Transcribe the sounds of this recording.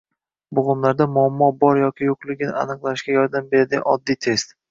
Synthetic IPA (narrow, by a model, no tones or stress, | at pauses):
bʊʁʊmlaɾd̪amʊamːɒbɒɾjɒkʲɪjoqlˠɪɡʲɪnɪa̰nɨqlˠaɪʃɡʲajɒɾd̪ambe̞ɾad̪ɪɡʲa̰nɒd̪ːijt̪ʰe̞st̪